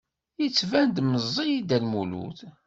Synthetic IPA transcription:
jət͡sːvænd̪məzˤːijid̪ælmulṵθ

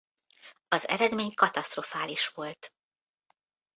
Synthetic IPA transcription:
ɒzɛ̰ɾɛd̪meːɲkɒt̪ɒst̪ro̞faːliʃʋo̞lt̪

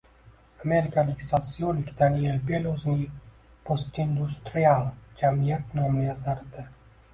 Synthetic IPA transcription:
ameɾikaliksasiolikt̪anielbelʲozni | post̪ind̪ust̪ɾialt͡ʃamijɛt̪nomniasaɾt̪ɛ

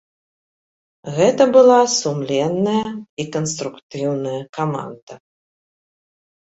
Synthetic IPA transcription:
ɣɛt̪ɐbɨlˠasumlʲɛnːɐjɐikɐnst̪ɾukt̪ɨwnɐjɐkama̰nd̪̥ɐ

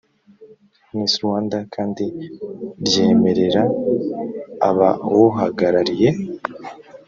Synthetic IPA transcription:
niːsiɾwaːndakʰaːndi | ɾje̞ːme̞ɾe̞ɾa | βa̰woɦaɡaɾaɾije̞

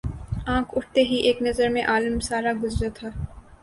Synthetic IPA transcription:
ãːkʰʊʈ̚ʰt̪eɦiʔeːknɐzəɾmẽʔaːləmsaːɾaɡʊzɾat̪ʰaː

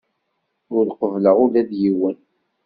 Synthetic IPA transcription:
ʊlqəvləʁʊlæðjiwən

